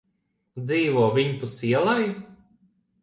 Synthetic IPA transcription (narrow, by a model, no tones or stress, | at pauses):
d̪ziːvuɔːvʲiɲpusiɛlˠaij